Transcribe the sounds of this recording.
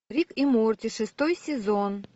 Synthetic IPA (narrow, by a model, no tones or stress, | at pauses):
ɾʲikimort̪ʲɪʂɨst̪ojsʲɪzon